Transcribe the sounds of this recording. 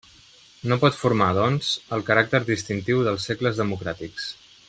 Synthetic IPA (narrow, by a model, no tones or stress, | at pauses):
nopɔt̪fuɾmaðɔnz̥əlˠkəɾak̚t̪əɾðist̪int̪iwðəlˠsːekləzðəmukɾat̪iks